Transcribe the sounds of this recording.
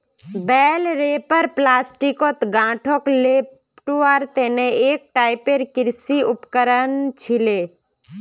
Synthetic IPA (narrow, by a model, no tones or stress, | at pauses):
bɛːlɾeːpəɾplaːsʈikot̪ɡãːʈʰokleːp | ʈoaːɾt̪eneeːk̚ʈaːɪpeɾkɪɾsiʊpkəɾənt͡ʃʰɪleː